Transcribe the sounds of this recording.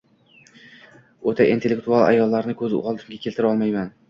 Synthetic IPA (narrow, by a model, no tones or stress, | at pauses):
ot̪ʰaʔint̪ʰe̞lːekt̪ualˠa̰jɒlːaɾnɪkʰɵzɪ̰ɒlˠd̪ɪmɡʲakʰʲelt̪ʰɪɾɒlˠmajman